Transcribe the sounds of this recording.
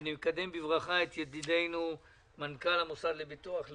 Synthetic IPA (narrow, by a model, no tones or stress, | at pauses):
nimekad̪e̞mbivʁaχaet̪jed̪id̪e̞jnu | mankalamosad̪lebit̪uaχ